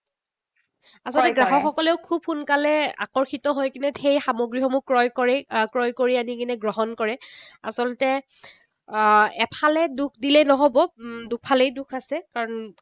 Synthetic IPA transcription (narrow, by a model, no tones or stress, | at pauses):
asɔltɛɡɹaɦɔxɔkɔlɛʊkʰub̚xunkalɛa̰kɔɹxitɔɦojkinɛxejxamoɡɹiɦɔmukɹɔjkɔɹɛkɹɔjkoɹianikinɛɡɹɔɦɔnkɔɹɛa̰sɔlɔtɛ | ɛpʰalɛduk̚ʰdilɛnɔɦobɔdupʰalejdukʰasɛkaɹɔn